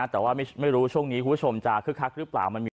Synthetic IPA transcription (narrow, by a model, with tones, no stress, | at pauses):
t̪ɛː˨˩waː˥˩ma˥˩jma˥˩jɾuː˦˥t͡ɕʰu˥˩əŋniː˦˥ku˧pʰːt͡ɕʰo˧mt͡ɕa˨˧˩kʰɯ˦˥˩kʰa˦˥k̚ɾɯ˦˥pla̰ː˨˩wma˧nmiː˧